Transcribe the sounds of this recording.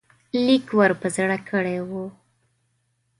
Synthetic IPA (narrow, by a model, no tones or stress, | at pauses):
likwaɾpəzɽakʰəɽewu